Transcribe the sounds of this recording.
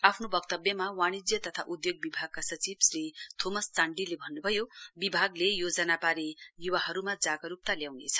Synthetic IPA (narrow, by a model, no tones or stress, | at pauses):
apʰnobʌkt̪ʌbjʌmawaɽ̃id͡zjʌt̪ʌt̪ʰaʔud̪joɡ̚bibʱaɡ̚kasʌt͡sibsrit̪ʰomʌst͡saɳɖilebʱʌnːubʱʌjobibʱaɡlejod͡zʌnapaɾejuwaɦʌɾumad͡zaɡʌɾup̚t̪aljawnet͡sʰʌ̥